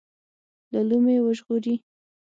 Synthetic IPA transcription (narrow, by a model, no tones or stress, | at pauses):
lalumewəʒɣoɾi